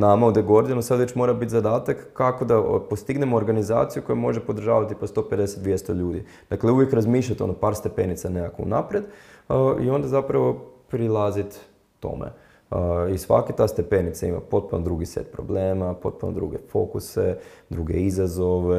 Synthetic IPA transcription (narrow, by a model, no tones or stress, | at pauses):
namaod̪eɡo̞ɾd̪inusad̪ʋet͡ʃmo̞ɾabit̪zad̪aːt̪akːako̞d̪apo̞st̪iɡne̞moːɾɡaniza̰ːt̪sijuko̞jumo̞ʒepod̪ɾ̩ʒa̰ːʋat̪ipost̪o̞ped̪eset̪d̪ʋjest̪oʎuːd̪i | d̪̥akleuʋjekɾazmiːʃlʎat̪onopaːɾst̪e̞penit̪sanekakoṵnapɾed̪ | ḭo̞nd̪azapɾaʋo̞pɾilˠazit̪ː | o̞̰mḛ | isʋa̰ket̪ast̪e̞penit̪saima̰po̞t̪̚punod̪ɾuɡisḛt̪pɾo̞̰bleːmapo̞t̪̚puno̰d̪ɾṵɡḛfo̞̰kused̪ɾuɡḛizazo̞ʋe